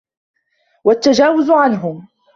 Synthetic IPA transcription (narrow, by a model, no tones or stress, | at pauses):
wat̪ːad͡ʒaːwʊzʊʕanɦʊm